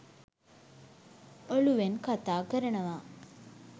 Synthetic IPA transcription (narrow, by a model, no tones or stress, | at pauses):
oluʋenkat̪aːkəɾənəʋa